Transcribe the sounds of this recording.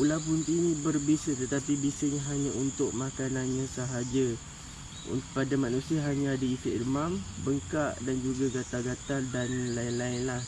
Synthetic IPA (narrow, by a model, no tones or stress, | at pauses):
ulap̬unt̪inĩbərbesət̪ət̪apibisəɲaɦaɲãʔunt̪ʊk̚makananɲãsəɦad͡ʒa | ṵnpadamanusiaɦaɲãːdəist̪eʔrmambəŋkaʔdand͡ʒuɡaɡat̪aɡat̪adanlaɪnlaɪnlah